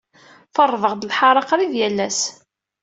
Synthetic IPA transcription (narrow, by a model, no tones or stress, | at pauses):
fərˤːvəʁd̪əlħɑɾˤɑqɾˤiðjælːæs